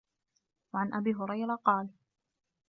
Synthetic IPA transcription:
waʕanʔabiːɦʊɾˤɑjɾɑqɑːl

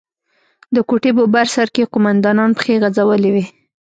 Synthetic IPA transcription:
d̪əkuʈebobaɾsaɾkeqʊmand̪ɑnɑnpə̥xeɣazawəlewi

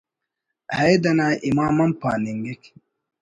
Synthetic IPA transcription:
hajd̪ɐnaːʔimaːmɐmpaːniŋɡek

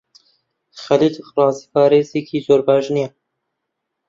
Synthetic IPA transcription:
xɐlid̪rɑːzipʰɑːɾeːzikʰiːzoːɾbɑːʒnijɛ

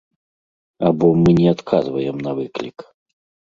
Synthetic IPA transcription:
abɔmɨnʲɛat̪kʰazvɐjɛmnɐvɨklʲik

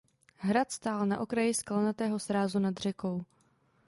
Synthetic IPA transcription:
ɦɾat̪st̪aːlnaʔo̞kɾajɪsklanat̪ɛːɦo̞sɾaːzunad̪r̝ɛko̞w

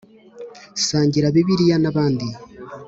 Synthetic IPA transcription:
saːɲɟiɾaβiβiɾijanaβaːndi

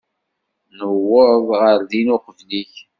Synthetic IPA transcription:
nəwːəvʁəɾðinʊqəvliç

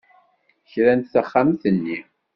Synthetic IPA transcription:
çɾænt̪θæχːamθənːi

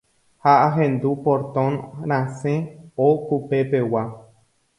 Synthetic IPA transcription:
haʔaɦẽnd̪upoɾt̪õnɾ̃ãsẽokupepe̞wa

